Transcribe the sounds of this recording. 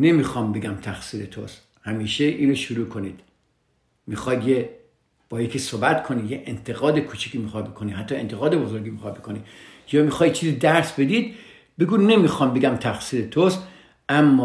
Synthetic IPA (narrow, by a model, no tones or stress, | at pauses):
nemiːxɒːmbe̞ɡæmt̪ʰæxsiːɾet̪ʰo̰s | hæmiːʃeʔiːnɾoʃuɾuːkʰo̞niːd̪̥ | mixɒːj̪je | b̥ɒːikʰesoːbæt̪kʰonijeʔent̪ʰe̞ɣɒːd̪ekʰuːt͡ʃʰi̥kʰiːmixɒːd̪̚bekʰonihæt̪ːɒːent̪ʰeɣɒːd̪e̞bozo̞ɾɡʲiːmixɒjd̪̚bekʰoni | jɒːmixɒːj̪t͡ʃʰiːziːd̪æɾsbe̞d̪id̪ | beɡuːne̞miːxɒːmbe̞ɡæmt̪ʰæxsiːɾet̪ʰost̪ | æmːɒː